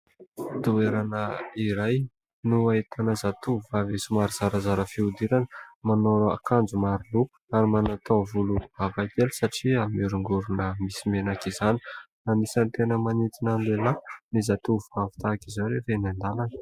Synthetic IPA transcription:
d̪ueɾanəiɾaj | nuaet̪ʰanəzat̪uvavesumaɾizaɾəzaɾəfiud̪iɾanəmanoɾa̰kʰand͡zumaɾilupu̥aɾimanat̪ovuluvavajt̪elsaʈ͡ʂiamiɾuŋɡuɾunəmisimenakizani̥ | namisant̪enəmanit̪inand̪elanizat̪uvavi̥t̪akizaɾevenand̪alanə̥

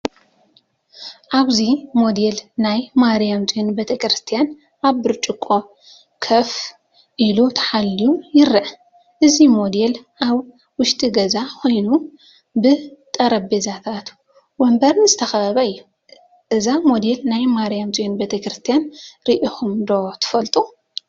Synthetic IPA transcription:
ʔaβzimo̞d̪elnajmaɾijamt͡sʼinbet̪ʰɐkʰɾɨst̪ʰijan | ʔaβːɨɾt͡ʃʼɨkʼːo̞ | kʰɐf | ʔilut̪ʰɐ̥ħalːijujɪɾːɐʔ | ʔɨzimo̞d̪elʔaβ | wʊʃt̪ʼiɡɐzakʰo̞jnu | bɨt̪ʼɐɾɐbezat̪ʰat̪ | wɔmbɐɾnɨzɨt̪ʰɐxɐɐβɐɨjːu | ʔɨzamo̞d̪elnajmaɾijamt͡sʼijunbet̪ʰɐkɾɨst̪ʰijanɾiʔixumd̪ot̪ʰɨ̥fɐlt̪ʼu

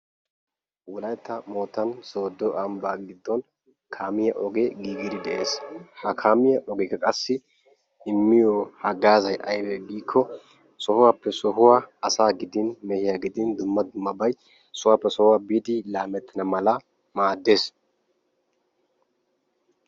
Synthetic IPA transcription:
wʊlɐjt̪ːɐmoːt̪ːɐnsoːd̪ːɔʔɐmbaːɡɪd̪ːɔn | kʰaːmɪjɐʔɔɡeːɡiːɡɪɾɪd̪ɛʔe̞̰ːshɐkʰaːmɪjɐʔɔɡɛkːɐkʼɐsːɪ | ɪmːɪjɔhɐɡaːzɐjʔɐ̰jbɛɡiːkʰːɔ | sɔhʊwapːɛsɔɦʊwaɐsaːɡɪd̪ɪnmɛhɪjaɡɪd̪ɪnd̪ʊmːɐd̪ʊmːɐbɐj | sʊwaːpːɛsɔhʊwabiːd̪ɪlaːmɛt̪ːɐnɐmɐlɐ | maːd̪ːe̞ːs

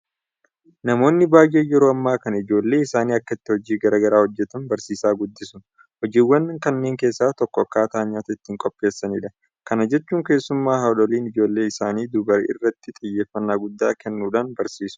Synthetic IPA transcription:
nɐmo̞ːnːɪbaːjːeːjɛɾoːɐmːaːkɐnɐɪd͡ʒo̞ːlːe̞ːɪsaːniːɐkːɐɪt̪ːɪhɔd͡ʒiːɡɐɾɐɡɐɾaːhɔd͡ʒːɛt̪ɐnbɐɾsiːsaːɡʊd̪ːɪsʊ | hɔd͡ʒiːwːɐnːŋkɐnːe̞ːŋke̞ːsːaːt̪ɔkːɔɐkːaːt̪aːɲːaːt̪ɐɪt̪ːɪŋkʼɔpʼːe̞ːsːɐniᶑɐ | kɐnɐd͡ʒɛt͡ʃːuːŋke̞ːsːʊmːaːɦaᶑɔliːnɪd͡ʒo̞ːlːe̞ːɪsaːniːd̪ʊbɐɾʔɪ̰rːɐt̪ːɪt̪ʼɪjːeːfːɐnːaːɡʊd̪ːaːkɛnːuːᶑaːnbɐɾsiːsʊ̥

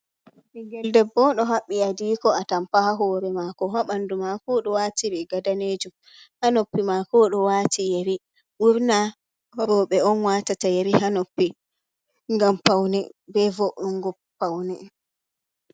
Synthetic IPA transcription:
ɓɛŋɡɛldɛbːɔɗɔɦaɓːiadiːkɔatampahaɦɔːɾɛmakɔɦaɓandumakɔɗɔwaːtiɾiɡadaned͡ʒum | hanopːimakɔɗɔwatʰijeɾi | ʔuɾna | ɾɔɓɛɔnwaːtatajeɾihanopːi | ŋɡampawnibɛvoʔuŋɡɔ | pːawni

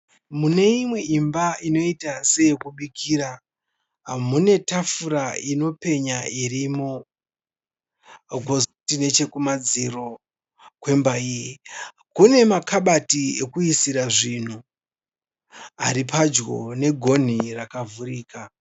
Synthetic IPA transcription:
mune̞imwe̞imbaino̞itase̞jekuɓikʰiːɾa | mune̞tafuɾaino̞pe̞ɲairimo | ɡʱoztine̞t͡ʃe̞kumad͡ziro̞ | kwe̞mbaiːji | kune̞makʰaɓatiekuisiɾaʐin̤u | aɾipad͡ʒɡo̞̰ne̞ɡʱo̞n̤irakavuriːka

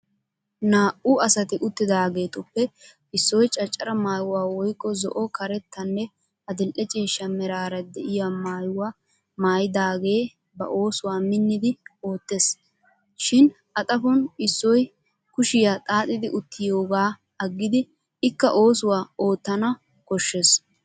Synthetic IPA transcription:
naːʔʊɐsɐt̪ɪʔʊt̪ːɪd̪aːɡe̞ːt̪ɔpːɛ | ɪsːɔjt͡ʃʼɐt͡ʃʼːɐɾɐmaːjʊwaːwɔjkʼːɔzɔ̰ʔɔkɐɾɛt̪ːɐnːɛ | ɐd̪ɪlʔɛt͡ʃʼeːʃːɐmɛɾaːɾɐd̪ɛʔɪjamaːjʊwa | maːjd̪aːɡe̞ː | bɐ̰ʔo̞ːsʊwaːmɪnːɪd̪ɪo̞ːt̪ːe̞ːs | ʃɪn | ʔɐt̪ʼɐfɔnɪsːɔj | kʊʃɪjat̪ʼaːt̪ʼɪd̪ɪʔʊt̪ːɪjo̞ːɡaː | ɐɡːɪd̪ɪː | kːɐʔo̞ːsʊwaːo̞ːt̪ːɐnɐ | kɔʃːes

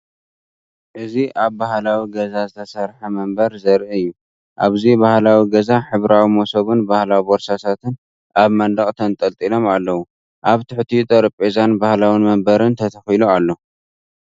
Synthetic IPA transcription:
ʔɨziʔaβbahlawiɡɐzazɨt̪ʰɐsɐɾħɐmɐmbɐɾzɐɾʔiɨjːu | ʔaβzibahlawiɡɐzaħɨβɾawimosɐβunbahlawiboɾsasʰat̪ɨn | ʔaβmɐnd̪ɐkʼt̪ʰɐnt̪ʼɐlt̪ʼilo̞malːɐwu | ʔaβt̪ʰɨħt̪ʰit̪ʼɐɾɨpʼezanbahlawinmɐmbɐɾɨnt̪ʰɐt̪ʰɐxilualːo̞

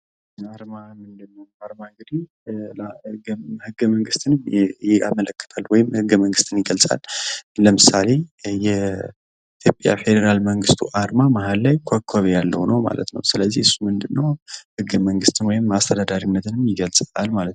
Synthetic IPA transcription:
aɾmamɨnd̪ɨnːəwaɾmaŋɡɨd̪i | hɨɡhɨɡːəməŋɡɨst̪ʰɨnma̰mələkːə̥t̪ʰalwɔjɪmhɨɡːəməŋɡɨst̪ʰɨnjɪɡəlsʼa̰lləmɨsale̞jɛ | it̪ʰjo̞pʼja̰fe̞d̪əɾalməŋɡɨst̪ʰṵʔaɾmamahalːajkʷʰokʰːaβejalːəwnəwma̰lə̰t̪nə̰wsɨləzːiɨsːumɨnd̪ɨnːəwhɨɡːəməŋɡɨst̪ʰɨnwɔjɪmast̪ʰəd̪ad̪aɾinːət̪ʰɨnɨmjɪɡəlsʼalmalət̪n

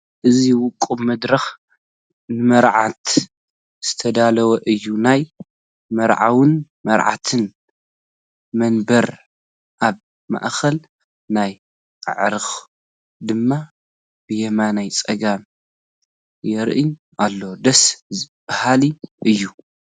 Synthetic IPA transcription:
ʔɨziwʊkʼumɐd̪ɾɐx | nɨmɐɾʕat̪ | z̥ɨt̪ʰɐd̪alɐwɐʔɨjːunaj | mɐɾʕa̰wɨn | mɐɾʕa̰t̪ʰɨn | mɐnbɐɾ | ʔaβ | ma̰ʔxɐl | naj | a̰ʕɾɨx | d̪ɨmːa | b̥ɨjɛmanajt͡sʼɐɡam | jɛɾʔɨɲ | ʔalːowd̪ɐszɨb̥ahaliʔɨjːu

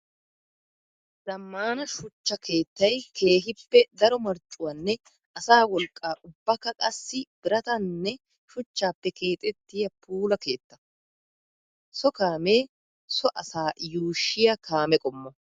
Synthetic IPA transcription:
z̥ɐmːaːnɐʃʊt͡ʃːɐkʰe̞ːt̪ːɐjkʰe̞ːɦɪpːɛd̪ɐɾɔmɐɾt͡ʃʼːʊwɐnːɛ | ɐsaːwɔlkʼːaːʔʊbːɐkːɐkʼɐsːɪb̥ɪɾɐt̪ɐnːɛ | ʃʊt͡ʃːaːpːɛkʰe̞ːt̪ʼɛt̪ːɪjɐpʰuːlɐke̞ːt̪ːɐ̥ | sɔkaːme̞ː | sɔʔɐsaːjuːʃːɪjɐkʰaːmɛkʼɔmːɔ

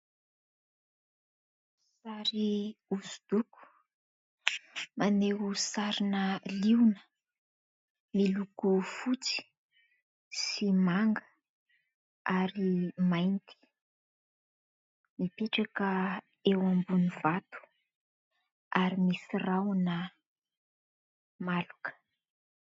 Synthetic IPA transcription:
saɾiuzud̪̥uku̥ | maneɦusaɾinəliwnə̥ | milukufut͡si̥ | simaŋɡə | aɾimajnt̪ʰi̥ | mipeʈ͡ʂakə | ewambunivat̪u̥ | aɾimisirawnə | malukə̥

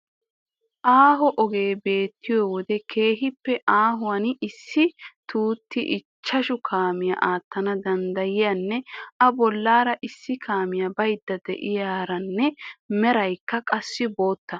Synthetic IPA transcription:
ʔaːɦɔʔɔɡe̞ːbe̞ːt̪ːɪjoːwɔd̪ɛke̞ːɦɪpːɛʔaːɦʊwɐnɪsːɪt̪uːt̪ːɪʔɪt͡ʃːɐʃʊkʰaːmɪjɐ̰ʔaːt̪ːɐnɐd̪ɐnd̪ɐjɪjanːɛʔɐbɔlːaːɾɐʔɪsːɪkʰaːmɪjɐbɐjd̪ːɐd̪ɛ̰ʔɪjaːɾɐnːɛmɛɾɐjkːɐkʼɐsːɪbo̞ːt̪ːɐ

